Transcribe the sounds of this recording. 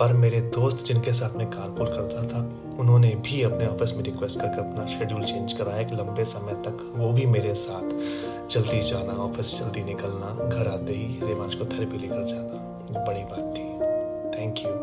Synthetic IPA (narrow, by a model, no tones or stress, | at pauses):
pɐɾmeːɾed̪oːst̪d͡ʒɪnkes̬aːt̪ʰmẽkaːɾpuːɾkɐɾt̪at̪ʰa | ʊnɦõnebʱiɐpneɔːfɪsmẽɾɪkʋeːsʈkɐɾkeɐpnaʃeːɖjuːlt͡ʃẽːnd͡ʒkɐɾaːekilɐ̃mbesɐməjt̪ɐk | ʋobʱimeːɾesaːt̪ʰ | d͡ʒɐld̪id͡ʒaːnaɔːfɪsd͡ʒɐld̪inɪkəlnaɡʱɐɾaːd̪eiɾeːʋãːd͡ʒkot̪ʰɐɾbʱileːkəɾd͡ʒaːna | bɐɽibaːt̪ʰːiː | t̪ʰɛ̃ːŋkjuː